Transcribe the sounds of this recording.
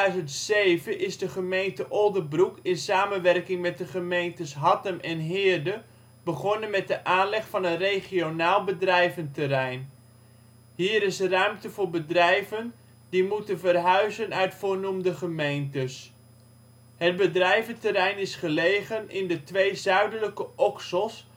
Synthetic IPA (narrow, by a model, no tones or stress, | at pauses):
ɥzəntsejvəʔɪzdəχəmejntəʔɔlˠdəbrukɪnsaːmənʋɛrkɪŋmɛt̚dəχəmejntəsɦɑtəmʔɛnɦɪːrdə | b̥əχɔnənmɛt̚dəʔaːnlɛχfɑnənrejχionaːlˠbədrɛjvəntərɛjn | ɦiːɾɪsrœɥmtəvʊːɹbədrɛjvən | dimutənvərɦœɥzənœɥtfʊːɹnumdəχəmejntəs | ɦəd̚bədrɛjvəntəɾɛjnɪsχəlejχənɪndətʋejzœɥdələkəʔɔksəlˠs